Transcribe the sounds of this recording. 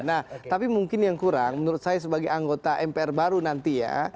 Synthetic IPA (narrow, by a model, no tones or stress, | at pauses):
naht̪apimuŋkɪnjaŋkuɾaŋmənuɾʊt̪̚sajas̬əbaɡajaŋɡot̪aʔɛmpeɛrbaɾunant̪ija̰